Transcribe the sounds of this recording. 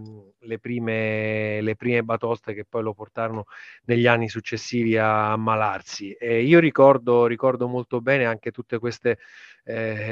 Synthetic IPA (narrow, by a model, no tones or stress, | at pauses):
lepɾiːmelepɾiːmebat̪ɔst̪ek̟epːɔjloport̪aːɾononeʎːianːisut͡ʃːesːiːviamːalarsiɛiːoɾikɔrd̪orikɔrd̪omolt̪obɛːneaŋk̟et̪ut̪ːekwest̪e